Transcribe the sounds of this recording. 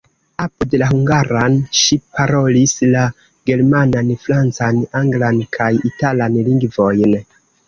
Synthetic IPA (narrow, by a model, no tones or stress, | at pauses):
apudelaɦuŋɡaɾanʃipaɾo̞lisla | ɡe̞ɾmananfɾant͡sanaŋɡlankʰajitalanliŋɡvo̞jn